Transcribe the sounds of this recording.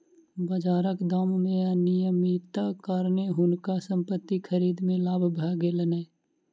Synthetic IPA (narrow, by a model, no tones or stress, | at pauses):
bəd͡ʒaːɾəkd̪aːmːẽanɪjəmit̪əkaːɾneɦʊnkasə̃mpət̪ːikʰəɾiːd̪mẽlaːbʱbʱɛːɡelənɛː